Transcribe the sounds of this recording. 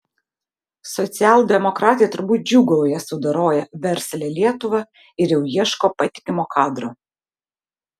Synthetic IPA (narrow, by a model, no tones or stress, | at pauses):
sɔt̪sʲɪæːlˠd̪ʲɛmɔkɾɑːt̪ʲɪjɛt̪ʊɾbuːt̪̚d͡ʒʲuːɡɔʊjɛsʊd̪ɐɾoːjɛʋʲɛɾʲˑsʲlʲeːlʲiɛt̪ʊʋɑ | ɪɾjɛʊjiɛʃkoːpɐt̪ʲɪ̥kʲɪmoːkʰɑːd̪ɾoː